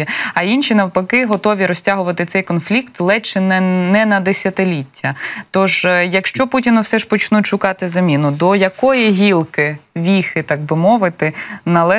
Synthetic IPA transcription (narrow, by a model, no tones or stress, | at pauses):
iɐinʃinɐwpɐkɪɦɔt̪ɔʋʲiɾɔsʲtʲaɦʊʋɐt̪ɪt̪sɛjkɔnflʲikt̪lˠɛt͡ʃɛnɛnɛnɐd̪esʲɐt̪ɪlʲitʲʰːɐt̪ɔʒjɐkʃt͡ʃɔputʲinɐwsɛʒpɔt͡ʃnutʲʃʊkɑt̪ɪzɐmʲinʊd̪ɔjɐkɔjiɦʲilˠkɪʋʲixɪt̪ɑɡ̚bɪmɔʋɪt̪ɪnɐlˠɛ